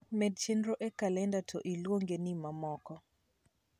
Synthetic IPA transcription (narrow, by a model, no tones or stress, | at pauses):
mɛdt͡ʃendɾoʔekalɛndatʰɔʔilwoŋɡenimamɔkɔ